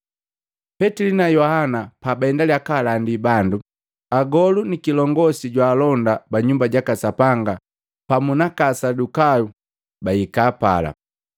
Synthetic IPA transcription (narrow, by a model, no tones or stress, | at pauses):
pɛtilinajɔhanapabaɛndaliakalandibandu | aɡɔlunikilɔŋɡɔsiɟwaːlɔndabaɲumbaɟakasapaŋɡa | pamunakasadukaju | baikaːpa̰la̰